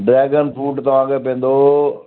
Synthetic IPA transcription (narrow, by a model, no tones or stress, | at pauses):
ɖɾɛːɡənpʰuːʈt̪ɐʋ̤ãːkepẽːn̆d̪oː